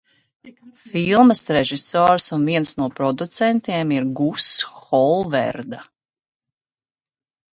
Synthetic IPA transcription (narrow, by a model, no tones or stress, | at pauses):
filˠməsɾeʒisɔːɾsunviɛnsnuɔpɾɔd̪ut̪sɛnt̪iɛmiɾɡusxɔlˠvɛ̰ɾd̪a